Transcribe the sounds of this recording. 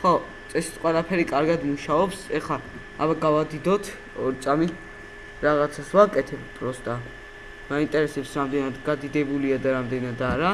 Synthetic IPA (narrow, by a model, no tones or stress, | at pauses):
χɔ | t̪sʼɛsi̥t̪sʰqʼwɛlˠapʰɛɾikʼaɾɡad̪muʃaɔpsɛχa | abaɡavad̪id̪ɔt̪ʰ | ɔɾit̪sʼami | ɾaʁat̪sʰasvakʼɛt̪ʰɛbpʼɾɔst̪ʼa | maint̪ʼɛɾɛsɛpsɾamd̪ɛnad̪ɡad̪id̪ɛbuliad̪aɾamd̪ɛnad̪aɾa